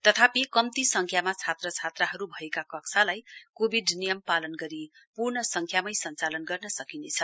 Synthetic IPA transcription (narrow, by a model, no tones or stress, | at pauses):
t̪ʌt̪ʰapikʌmt̪isʌŋkʰjamat͡sʰat̪rʌt͡sʰat̪raɦʌɾubʱʌekakʌksʰalajkobʱiɖnijʌmpalʌnɡʌɾi | purnʌsʌŋkʰjamʌjsʌnt͡salʌnɡʌrnʌsʌkinet͡sʰʌ